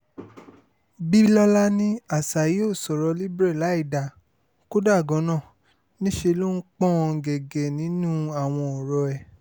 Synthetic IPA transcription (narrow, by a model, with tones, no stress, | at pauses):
bi˦lɔ˦la˦nĩ˦a˦˨sa˨ji˨˦o˦˨sɔ˨ɾɔ˧li˦bɾɛ˦˨la˨˦i˦˨da˨ | ko˦da˦˨ɡɔ̃˨˦nã˦˨ | nĩ˦ʃe˧lo˦n̩˦k͡pɔ̃˦˧ɡɛ˨ɡe˨nĩ˨˦nũ˦a˨w̃ɔ̃˧ɔ˨ɾɔ˧ɛ˨